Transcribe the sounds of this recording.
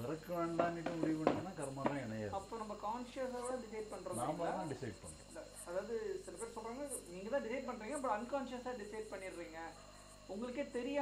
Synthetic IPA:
ʋɪɾɐkːɯʋeːɳɖaːnɪʈːɯ̃mʊɽɪjɐʋeɳɐnːaːkɐɾɯmɐːɾɐ̃ɛɳɐja̰ːɐpːoːnɐmːɐkaːnʂɐs̬ɐːɽãːɖɪsɐɪɖ̚pɐɳːɾɐːnãːmɐnãːɖɪsɐɪɖ̚pɐɳːɾḛ̃ɐ | ɐðaːʋɐðɯsɪlɐpeːɾsɔlɾaːŋɡɐniːŋɡɐt̪ãːɖɪsɐɪɖ̚pɐɳːɾiːŋɡɐpːɐɽɐnkaːnʂɐsaːɖɪsɐɪɖ̚pɐɳːɪɾːiːŋɡɐ | ʊŋɡɐɭɯkːeːt̪ɛɾɪjaː

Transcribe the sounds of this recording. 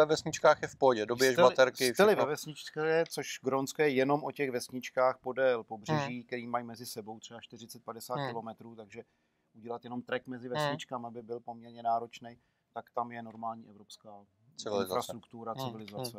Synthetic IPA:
ɛvɛsɲɪt͡ʃkaːxjɛfpoɟɛdobɪjɛʒɛbat̪ɛɾkɪɛlɪvɛvɛsɲɪt͡ʃkɛt͡soʃɡɾont͡skojɛjɛno̞mʔo̞cɛɣvɛsɲɪt͡ʃkaːxpo̞dɛlpobr̝ɛʒiːkt̪ɛɾiːmajmɛzɪsɛbo̞wt̪r̥ɛvaʃt̪ɪr̝ɪt͡sɛt̪̚padɛsaːt̪kɪlo̞mɛt̪ɾuːt̪aɡʒɛ | ʔuɟɛlat̪jɛno̞mt̪ɾɛkmɛzɪvɛsɲɪt͡ʃkamabɪbɪlpomɲɛɾɲɛnaːɾo̞t͡ʃnɛj | t̪akt̪amjɛno̞ɾmaːlɲiːʔɛvɾo̞pskaː | ɪvɪlɪzɾast̪ɾukt̪uɾat͡sɪvɪlɪzat͡sɛ

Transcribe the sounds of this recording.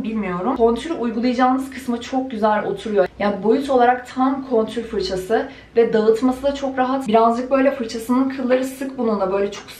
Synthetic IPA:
bilʲmijo̞ɾumko̞nt̪ʰyɾʲujɡulˠajad͡ʒaːnɯz̥kʰɯ̥smɯt͡ʃʰo̞k̚ɟyzælʲo̞̰t̪ʰuɾujo̞jaːnibo̞juso̞lˠaɾak̚t̪ʰamkʰo̞nt̪ʰyɾʲfɯɾt͡ʃʰasɯ | vɛd̪aɯt̪masɯd̪at͡ʃʰo̞kɾaɦat̪biɾanzlˠɯk̚bø̞jlʲɛfɯɾt͡ʃʰasɯnɯnkʰɯlˠːaɾɯsɯkbunund̪ˠabø̞jlʲɛt͡ʃʰoks

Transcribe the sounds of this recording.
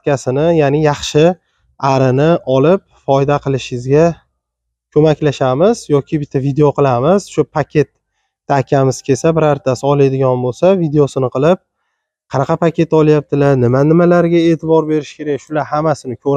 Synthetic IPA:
kʲasɪnɪjanɪjɑχʃɪ | aɾɪnɪɒlɪp̚fɒjd̪aqʰɨlˠɪʃɪɪzɡʲa | kʲʰɵmakʲlaʃamɪzjɒkʲɪbɪt̪ʰːavid̪e̞o̞qʰɨlˠamɪz̥ʃʊpʰakʲʰe̞t̪ː | akʲʰamɪz̥kʲʰe̞sabɪɾaɾt̪ʰasɪɒlˠad̪ɪɡʲɒnbolsavid̪e̞osɪnɪqʰɨlˠɪp̚ | qʰɑnɑqʰɑpʰakʲʰe̞t̪ɒlˠjap̚t̪ʰɪlaɾnɪmanɪmalaɾɡʲae̞ːt̪ʰɪbɒɾbe̞ɾɪʃkʲʰe̞ɾakʲʃʊlaɾhamasɪnɪkʲʰɵɾ

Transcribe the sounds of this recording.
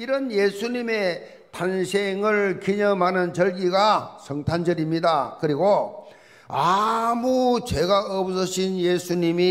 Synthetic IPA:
iɾʌnje̞sʰuɲime̞ | tansʰeŋɯɭkiɲʌmɦanɯnt͡ɕʌɭɡiɡasʰʌŋtʰand͡ʑʌɾimɲidakɯɾiɡo | amut͡ɕe̞ɡaʌpsʰʌɕʰinjesʰuɲimi

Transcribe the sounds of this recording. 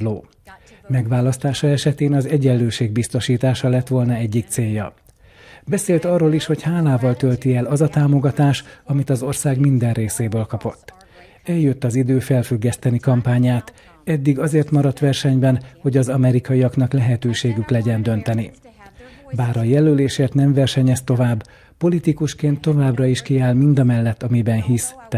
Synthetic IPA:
loː | mɛɡʋaːlɒst̪aːʃɒɛʃɛt̪eːnɒzɛɟɛlːøːʃeːɡ̚bist̪o̞ʃiːt̪aːʃɒlɛt̪ʋo̞lnɒɛɟːik̚t̪seːjːɒ̰ | bɛseːlt̪ɒrːoːliʃho̞chaːlaːvɒlt̪ølt̪iɛlɒzɒt̪aːmo̞ɡɒt̪aːʃɒmit̪ɒzo̞rsaːɡmind̪ɛnreːseːbøːlkɒpo̞t̪ː | ɛljøt̪ːɒzid̪øːfɛlfyɡːɛst̪ɛnikɒmpaːɲaːt̪ | ɛd̪ːiɡɒzeːrt̪mɒɾɒt̪ʋɛrʃɛɲbɛnho̞ɟɒzɒmɛɾikɒijɒknɒklɛɦɛt̪øːʃeːɡyklɛɟɛnd̪ø̞nt̪ɛni | baːɾɒjɛløleːʃeːrt̪nɛɱvɛrʃɛɲɛst̪o̞vaːbː | po̞lit̪ikuʃkeːnt̪ːo̞vaːbrɒiʃkiaːlmind̪ɒmɛlːɛt̪ːɒmibɛnɦist̪

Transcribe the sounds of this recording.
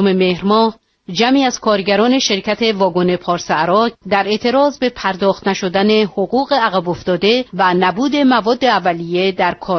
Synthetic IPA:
omemehɾmɒːh | d͡ʒæmiːæzkʰɒːɾɟæɾɒːne̞ʃe̞ɾcʰæt̪ʰe̞vɒːɡo̞ne̞pʰɒːɾseæɾɒːcʰd̪æɾe̞ʔt̪ʰe̞ɾɒːzbe̞pʰæɾd̪ɒːxt̪næʃo̞d̪æne̞hoɣuːɣe̞æɣæbo̞ft̪ɒːd̪e̞vænæbuːd̪e̞mævɒːd̪ːe̞ævːælije̞d̪æɾkʰɒː

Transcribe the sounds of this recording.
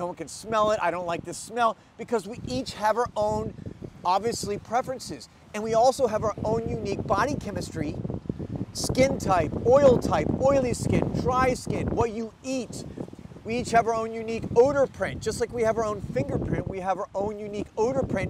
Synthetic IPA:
doʊwʌ̃nkʰɨ̃nsmɛlˠɪɾa̰ɪɾõʊ̃ntlaɪk̚ðɨsmɛlˠ | b̥ɨkʰʌzwiʔit͡ʃhɨvə˞ʔõʊ̃nɑbviɨslipʰɹ̥ɛfɹɨ̃nsɪz̥ | ɨ̃nwiɔlˠsoʊɨvə˞ʔõʊ̃njʉnik̚b̥ɑɾikʰɛmɨstɹ̥i | skɪ̃ntʰaɪpɔɪl̩ˠtʰaɪpɔɪlˠiskɪ̃ndɹaɪskɪ̃nwʌt͡ʃɨitwiit͡ʃhɨvə˞õʊ̃njʉnikoʊɾə˞pʰɹ̥ɪ̃nt̚d̥ʒ̥ʌstlaɪkwiɨvə˞õʊ̃nfɪ̃ŋɡə˞pʰɹ̥ɪ̃ntwiəvə˞ʔõʊ̃njʉnikoʊɾə˞pʰɹ̥ɪ̃n

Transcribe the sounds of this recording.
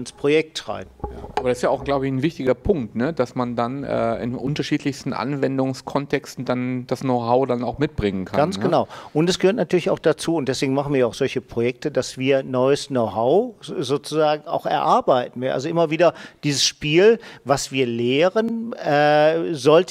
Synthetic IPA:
nspʁ̥ojɛk̚tʁa̰ɪbja̰ːʔabɐɾsɪstjaaʊxɡ̥laʊbəɪçn̩vɪçtɪɡɐpʰʊŋk̚tnəd̥asmandanʔɛ̰ːɪ̰nʔʊntɐʃiːtlɪçstn̩ʔa̰nvɛndʊŋskʰɔntʰɛkstn̩d̥and̥asnoʊɦaʊdanaʊxmɪt̚b̥ʁɪŋənkʰaɡansɡ̥ənaʊʔʊntɛsɡ̥əhøɐtnatʰyːɐlɪça̰ʊxd̥at͡suːʊnt̚d̥ɛsv̥eːɡŋ̩maχn̩viːɐaʊxz̥ɔlçəpʁ̥ojɛk̚tədasv̥iːɐnɔʏəsnoʊɦaʊzoːt͡suzaːɡŋ̩a̰ʊxɛ̰ɐʔaɐbaɪtn̩viɐʔa̰lzoʔɪmɐviːdɐd̥iːzəsʃpiːlvasv̥iːɐleːʁənɛːzɔlt

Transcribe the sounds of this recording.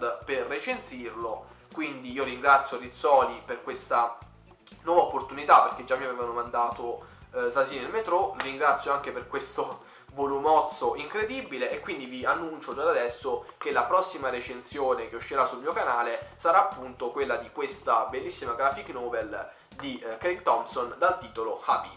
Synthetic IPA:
d̪perːet͡ʃent̪sirlo | kwind̪iiːoɾiŋɡɾat̪sːjoɾit̪sɔːliperkwest̪a | nwɔːvaopːort̪unit̪aperk̟ed͡ʒːamːijavevanomand̪aːt̪osaziːnelmet̪ɾɔvɾiŋɡɾat̪sːjoaŋk̟eperkwest̪o | volumɔt̪soʔiŋkɾed̪ibːileːkːwind̪ivianːunt͡ʃod͡ʒad̪ad̪ɛsːokelːapɾɔsːimaɾet͡ʃensjoːnek̟euʃːeɾasːulmiːokanaːlesaɾaapːunt̪okwelːad̪ikwest̪abelːisːimaɡɾafiknɔːbel | d̪ikɾet̪ɔmsond̪alt̪iːt̪oloxabi

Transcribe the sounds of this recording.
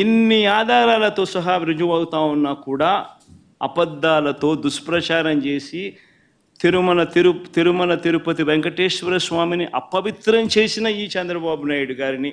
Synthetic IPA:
inːiaːd̪aːɾaːlɐt̪o̞ːsɐɦaːʋɾud͡ʒuʋaːɡut̪aːunːaːkuːɽaː | ɐ̰pɐd̪ːaːlɐt̪o̞ːd̪uʃpɾɐt͡ʃaːɾɐmt͡ʃe̞ːsi | t̪iɾumɐnɐt̪iɾut̪iɾumɐnɐt̪iɾupɐt̪iʋeŋkɐʈeːʃʋɐɾɐsʋaːminiʔɐ̰pːɐʋit̪ɾɐmt͡ʃe̞ːsinɐiːt͡ʃɐnd̪ɾɐbaːbunaːjuɽuɡaːɾini

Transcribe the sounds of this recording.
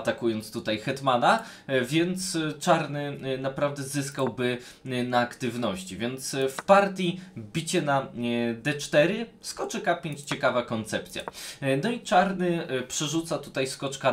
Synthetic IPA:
t̪akujɔnt̪st̪ut̪ajxɛt̪mana | vʲjɛnt̪st͡ʂaɾnɘnapɾavd̪ɛzɘskawbɘ | naːkt̪ɘvnɔɕt͡ɕivʲjɛnt̪sfpaɾt̪ʲibʲit͡ɕɛnad̪ɛt͡ʂt̪ɛɾɘskɔt͡ʂɘkapʲeɲt͡ɕt͡ɕɛkavakɔnt̪sɛp̚t̪sʲja̰nɔit͡ʂaɾnɘpʂɛʐut̪sat̪u̥t̪ajskɔt͡ʂka

